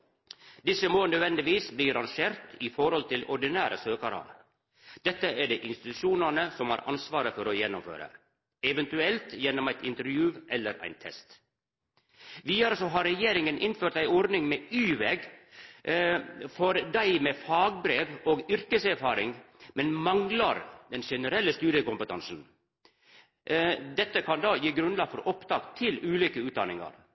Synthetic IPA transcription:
d̪ɪsəmoːnœd̪ʋɛnd̪ɪʋiːsbliːɾɑŋʃeːɾt̪iːfɔɾɔlt̪ɪlɔ̰ɾɖɪnæːɾəsøːkɑɾɑ̰ | d̪̥ɛt̪ːəæːɖeːʔɪnst̪ɪt̪ʉʃuːnənəsɔmhɑ̰ːɾʔɑ̰nsʋɑːɾəfɔɾoːjɛnːʊmfø̰ːɾə̰ | ɛʋɛnt̪ʉɛlt̪jɛnːɔmæɪt̪ɪnt̪əɾjʉːʔɛlːəɾʔæ̰ɪnt̪ʰɛ̰st̪ | ʋiːd̪ɑɾəsɔɦɑɾːɛjeːɾɪŋənʔɪnføːɾʈt̪æɪɔɾd̪nɪŋmeːyːʋeːɡ | fɔɾd̪æɪmeːfɑːɡbɾeːʋoːɡʏɾkəsæɾfɑːɾɪŋmɛnmɑŋlɑɾd̪ɛnʃɛnəɾɛlːəst̪ʉːɾəkʊmpət̪ɑnsn̩ | d̪ɛt̪ːəkʰɑnd̪ɑːjiːɡɾʉnlɑɡfɔɾɔpt̪ʰɑːɡt̪ʰɪlʉːliːkəʉːt̪̚d̪ɑnɪŋɑ̰ɾ

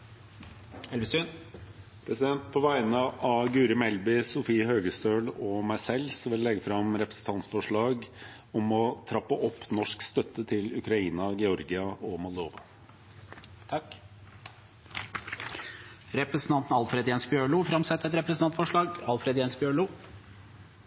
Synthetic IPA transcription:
ɛlʋəsʉn | pʰɾɛsɪd̪ɛnt̪̚pʰɔʋæɪnəʔɑɡʉːɾəmɛlbɪsʊfiːəhøːɡəst̪øːlɔmæɪsɛlːsɔʋɪllːɛɡəfɾɑmɾɛpɾə̥sn̩t̪ʰɑnt̪sfɔʂɭɑːɡ | ɔmɔt̪ʰɾɑpːəʔɔpːnɔʂkst̪œt̪ːət̪ʰɪlʉkɾɑiːnɑɡɛɔɾɡɪɑɔmɔld̪oːʋɑ | t̪ʰ | ɾɛpɾəsn̩t̪ʰɑnt̪n̩ɑlfɾeːd̪jɛːnsbjøːɭʊfɾɑmsɛt̪ːəɛt̪ɾɛpɾəsn̩ʰɑnt̪fɔʂɭɑːɡɑlfɾeːd̪jɛːnsbjøːɭʊ

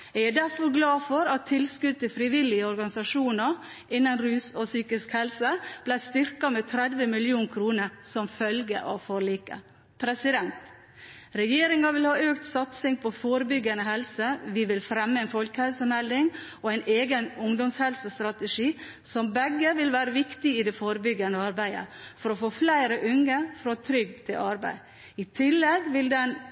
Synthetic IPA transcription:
ææd̪æɾfɔɾɡlɑːfɔɾɑt̪ʰːɪlskʉd̪̚t̪ʰɪfɾɪʋɪlɪəɔɾɡɑnɪsɑʂuːnə | ʔɪnːənɾʉːsɔsyːkɪskhɛlsəb̥læɪst̪ʏɾkɑmeːt̪ʰɾɛd̪ʋəmɪljuːnkʰɾuːnəɾsɔmfœlɡə̰ʔɑ̰ʋfɔɾɭiːkə̰ | pʰɾɛsɪd̪ɛnt̪ | ɾɛjeːɾɪŋɑʋɪlhɑːøːkt̪sɑt̪sɪŋpʰɔfoːɾəbʏɡːənəhɛlsəʋɪʋɪlfɾɛmːəɛɪnfɔlkəhɛlsəmhæld̪ɪŋ | ɔæɪnʔeːɡənʊŋd̪ɔmshɛlsəst̪ɾɑt̪əʂiː | sɔmbɛɡːəʋɪlʋæːɾəʋɪkt̪ɪɪd̪ɛfoːɾəbʏɡːənəɑɾbæɪə̰fɔɾɔfoːflæɪɾəʔʉŋəfɾɔt̪ʰɾʏɡt̪ʰɪlʔɑɾbæ̰ɪ | ɪt̪ʰɪlːɛɡʋɪld̪ɛn

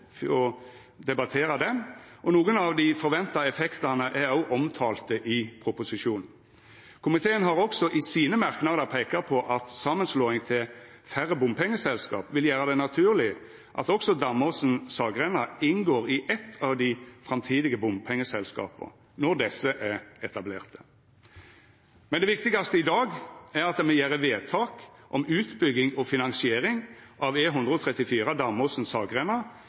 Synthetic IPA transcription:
ɔ | d̪ɛbɑt̪ʰeːɾɑd̪ɛmʔɔnuːɡənɑʋd̪ɪfɔɾʋɛnt̪ɑɛfɛkt̪ɑnəʔæɾɑʊʔɔmt̪ʰɑːlt̪əʔɪpʰɾʊpʊsɪʂuːnn̩ | kʰʊmɪt̪ʰeːənɦɑɾɔksɔʔɪsiːnəmæɾknɑd̪əʁpʰeːkɑpʰɔʔɑt̪sɑmːənsloːɪŋt̪ʰɪl | fæɾːəbʊmpʰɛŋːəsɛlskɑ̰ːpʋɪljæːɾəd̪ɛnɑt̪ʰʉːʁlɪə | ʔɑ̰t̪ɔksɔd̪ɑmɔsn̩sɑːɡʁɛnɑɪnɡoːʁɪʔɛt̪ʰːɑʋd̪ɪfʁɑmt̪ʰiːd̪ɪɡəbʊmpʰɛŋːəsɛlskɑ̰ːpə̰ | nɔʁd̪ɛsːəʔæʁɛt̪ɑbleːʁt̪ʰə̥ | mɛnd̪ɛʋɪkt̪ɪɡɑst̪əɪd̪ɑːɡæɾɑt̪̚d̪ɛmɛjæːʁəʋeːt̪ʰɑːkʔɔmʉːt̪bʏɡːɪŋɔfɪnɑŋsɪeːɾɪŋʔɑʋeːɦʉnd̪ʁəɔt̪ʰʁɛt̪ːɪfiːʁəd̪ɑmɔsn̩sɑːɡʁɛnɑ

